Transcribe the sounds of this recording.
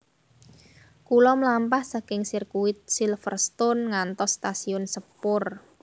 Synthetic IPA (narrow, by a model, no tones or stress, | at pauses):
kulɔmlampahsakɪŋsɪrkuwɪt̪̚silfərst̪ʊnŋant̪ɔsːt̪asiʊnsəpʊr